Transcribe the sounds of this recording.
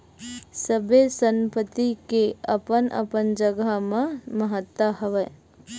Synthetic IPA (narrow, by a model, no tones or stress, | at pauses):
səbesə̃mpət̪ikeəpənʔə̰pənd͡ʒəɡamãməɦət̪wəɦəʋə